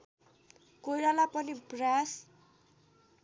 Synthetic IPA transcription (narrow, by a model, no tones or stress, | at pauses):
kojɾalapʌnibras